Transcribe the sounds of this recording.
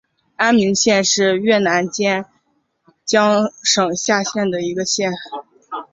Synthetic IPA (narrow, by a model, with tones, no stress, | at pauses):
a˥nmi˧˥ŋɕjɛ˥˧nʂɻ̩˥˧ɥɛ˥˩na˧˥nt͡ɕjɛ˥n | t͡ɕjɑ˥ŋʂɤ˨˩ŋɕja˥˧ɕjɛ˥˩nd̪ə˩i˧˥ɡə˧ɕjɛ˥˩n